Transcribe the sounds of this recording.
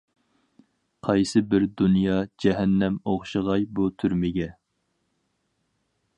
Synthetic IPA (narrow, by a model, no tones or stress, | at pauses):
qʰɑjsɨbɪɾd̪unjɑd͡ʒɛɦɛnːɛmoχʃɨʁɑjbut̪ʰyɾmɪɡʲɛ